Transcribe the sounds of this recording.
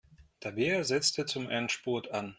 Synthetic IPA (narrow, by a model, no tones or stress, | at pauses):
d̥ʰabeːɐzɛt͡stət͡sʊmʔɛntʃpɔɐtʰan